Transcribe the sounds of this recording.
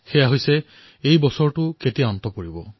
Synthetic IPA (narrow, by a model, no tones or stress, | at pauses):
xejaɦojse | ejbɔsɔɹʈuketijaɔnt̪ɔpoɹibɔ